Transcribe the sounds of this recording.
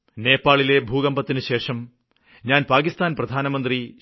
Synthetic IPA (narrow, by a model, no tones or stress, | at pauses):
ne̞ːpːaːɭile̞bʱuːɣɐmbɐt̪ːinɨɕe̞ːʂɐm | ɲaːnpaːkist̪aːnprɐd̪ʱaːnɐmɐnd̪ri